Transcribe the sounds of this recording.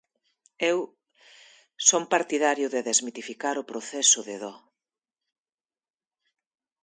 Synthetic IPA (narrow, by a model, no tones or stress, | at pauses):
ew | sompaɾt̪iðaɾjʊðeðezmit̪ifikaɾʊpɾoθɛsʊðeðɔ